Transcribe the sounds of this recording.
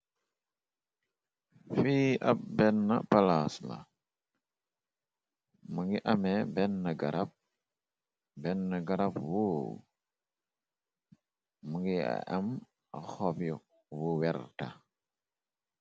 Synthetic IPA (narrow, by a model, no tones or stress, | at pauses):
fiʔap̚bɛnːa̰palasla̰ | muŋɡiʔamɛbɛnːaɡaɾʔap̚ | bɛnːaɡaɾapwu | muŋɡia̰ʔam | axɔpjɔ | wuwɛɾta